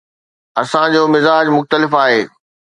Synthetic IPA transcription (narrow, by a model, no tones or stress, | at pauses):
ɐsãd͡ʑoːmɪzaːd͡ʑmʊxt̪əlɪfaːɦeː